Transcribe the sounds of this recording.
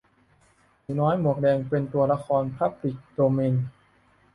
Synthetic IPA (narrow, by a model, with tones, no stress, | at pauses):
nɔː˦˥jmu˨˩ək̚dɛː˧ŋpe˧nt̪u˧ɐla˧kʰɔː˧npʰa˦˥˩p̚ɾi˨˩k̚doː˧me˧n